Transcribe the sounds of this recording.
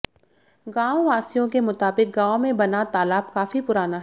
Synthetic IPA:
ɡãːoaːsijõkemʊt̪aːbɪk̚ɡãːõmẽbɐnat̪aːlaːbkaːfipʊɾaːnaɦ

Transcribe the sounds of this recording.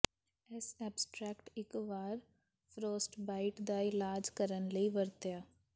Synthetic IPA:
ɛsɛːbsʈɾɛːkʈɪkʋaːɾ | fɾoːsʈbaːɪʈd̪aːilaːd͡ʒkəɾənləiʋəɾt̪jaː

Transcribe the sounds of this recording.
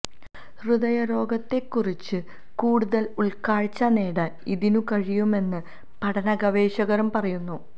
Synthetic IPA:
rɨðɐjɐɾo̞ːɡɐt̪ːe̞kːurit͡ɕːɨ | kuːɽuðɐluɭkaːɻt͡ɕːɐne̞ːɽɐniðinukɐɻijume̞nːɨ | pɐɽɐnɐɡɐʋe̞ːɕɐɣɐɾumpɐrɐjunːu

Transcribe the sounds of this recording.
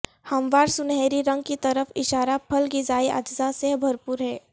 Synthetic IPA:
hɐmʋaːɾsʊnɦɛːɾiɾɐ̃ŋɡ̚kit̪ɐɾəfɪʃaːɾapʰɐlɡizaːiʔa̰ːd͡ʒzasebʱɐɾpuːɾɦɛː

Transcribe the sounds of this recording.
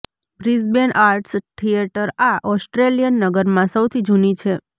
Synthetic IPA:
bɾizbenʔaɾʈsʈ̪ʰieʈəɾaʔɔsʈɾelijənːəɡəɾmãsəwt̪ʰid͡ʒʱunit͡ʃʰe

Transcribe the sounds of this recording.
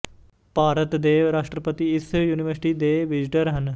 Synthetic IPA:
paːɾət̪d̪eːɾaːʂʈɾəpət̪iɪsjuːnɪʋəɾsɪ̥ʈiːd̪eːʋɪd͡ʒɪʈəɾɦən

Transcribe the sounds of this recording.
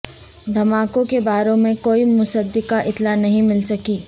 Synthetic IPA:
d̪ʱɐmaːkõkebaːɾõmẽkoːimʊsəd̪ɪkaʔɪt̪lanɐɦĩmɪlsɐkiː

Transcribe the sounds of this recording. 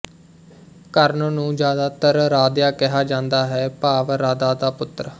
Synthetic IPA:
kəɾnnũːd͡ʒjaːd̪aːt̪əɾɾaːd̪jaːkɪɦaːd͡ʒãːnd̪aːɦɛːpaːʋɾaːd̪aːd̪aːpʊt̪ɾ

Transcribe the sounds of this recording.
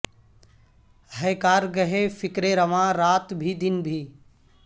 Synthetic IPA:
ɦəjkaːɾɡəɦefɪkɾeɾəʋãɾaːt̪bʱid̪ɪnbʱiː

